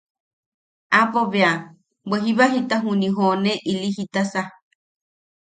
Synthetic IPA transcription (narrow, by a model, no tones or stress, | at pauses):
apoβea | bweɦiβaɦit̪aɦunĩɦoneʔiliɦit̪asa